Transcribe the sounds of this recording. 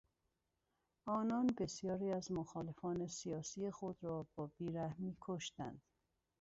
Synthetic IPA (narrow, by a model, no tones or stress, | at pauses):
ɒːnɒːnbe̞sjɒːɾiːæzmoxɒːle̞fɒːne̞sijɒːsiːexod̪ɾɒːb̥ɒːb̥iːɾæhmiːkʰoʃt̪æ̰nd̪̥